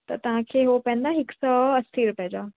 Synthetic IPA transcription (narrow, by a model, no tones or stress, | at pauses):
t̪ɐt̪ɐʋ̤ãkʰeːɦopɛ̃nd̪aɦɪksaɐst̪ʰiːɾpɐɦd͡ʑaː